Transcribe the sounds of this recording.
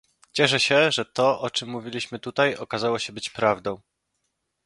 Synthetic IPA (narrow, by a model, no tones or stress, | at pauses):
t͡ɕɛʂ̬ɛɕɛʐɛt̪ɔʔɔt͡ʂɘmːuvʲilʲiɕmɘt̪ut̪ajɔkazawɔɕɛbɘt͡ɕpɾavd̪ɔ̃w̃